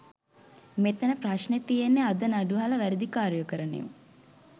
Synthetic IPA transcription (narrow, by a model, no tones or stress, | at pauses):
met̪ənəpraʃnet̪ijenːead̪ənaɖuɦalɐʋæɾid̪ikaːɾjokəɾənḛʋə